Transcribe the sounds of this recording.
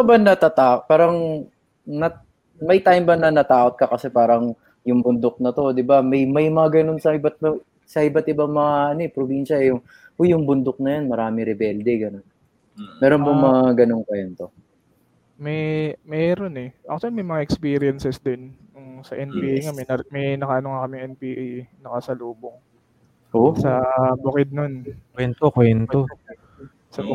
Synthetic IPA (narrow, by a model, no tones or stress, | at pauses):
ɐbɐnːɐt̪at̪aːpaːɾɐŋ | nɐ | mɐjt̪ajmbɐnɐnɐt̪aːʔot̪̚kɐkɐsɛpaːɾɐŋ | jʊŋbʊnd̪ok̚nɐt̪o̞d̪ɪbamɐjmɐjmɐŋaɡɐno̞nsɐʔɪbat̪̚ | sɐʔɪbɐt̪̚ʔɪbaŋmɐŋaʔɐnoɛpɾobinʃɐɛjʊŋ | ʔojʊŋbʊnd̪ok̚nɐjanmɐɾaːmɪɾɪbɛld̪ɛɡɐno̞n | mɛːɾonbʊŋmɐŋaɡɐnoŋkwɛnt̪o̞ | mɛmɛɾo̞nɛʔɐ̰k̚t̪wɐlimɐjmɐŋaʔɛkspiːɾɪjɐnsɛsd̪ɪnjʊŋsɐʔɛnpiːʔajŋamɐjnɐmɛjnɐkɐʔɐnoŋakɐmɪŋʔɛnpiʔjnɐkɐsɐluːboŋ | hosɐbʊkɪd̪̚nonkwɛnt̪okwɛnt̪o | sɐ